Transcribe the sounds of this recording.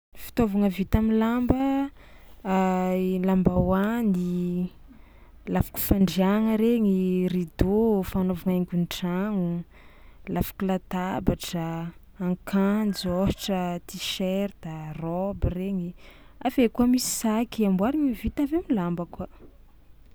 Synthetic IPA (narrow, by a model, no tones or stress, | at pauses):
fi̥t̪ovaŋəvit̪amilambə | lambawani | lafḁku̥faɳɖ͡ʐiaŋəɾeŋirid̪ofanovaŋeŋɡʲunʈ͡ʂaŋu | lafḁkulat̪abaʈ͡ʂəː | ŋkand͡zohʈ͡ʂət̪iʃɛɾd̪arɔbireɲi | avekuamisi̥sakiambwaɾiŋəvit̪aveamilambəkwə